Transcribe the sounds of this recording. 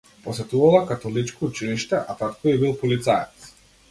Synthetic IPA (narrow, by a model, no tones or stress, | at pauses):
pɔsɛt̪uvalˠakat̪ɔlit͡ʃkɔut͡ʃiliʃt̪ɛʔat̪at̪kɔibilˠpɔlit̪sajɛt̪s